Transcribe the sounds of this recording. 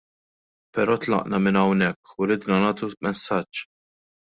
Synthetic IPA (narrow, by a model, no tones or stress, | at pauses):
pɛɾɔːt̪lɐ̰ʔnɐmɪnɐwnɛkʰːuɾɪːd̪nɐnɐːt̪umɛsːɐt͡ʃː